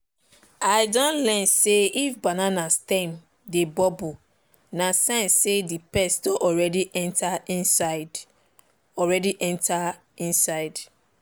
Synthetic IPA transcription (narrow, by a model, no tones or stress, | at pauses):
aɪdɔ̃nlɛ̃nseifbananastɛ̃m | debɔbu | nasɛ̃nsedipɛsdɔ̃ʔɔɹɛdiʔɛ̃ntʰaĩnsad | ɔɹɛdiʔɛ̃ntʰa | ĩnsaɪd